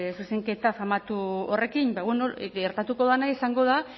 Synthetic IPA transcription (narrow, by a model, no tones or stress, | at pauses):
suse̞ŋke̞t̪afamat̪uo̞re̞kimbaβenoɡe̞ɾt̪at̪uko̞ðanaisaŋɡo̞ða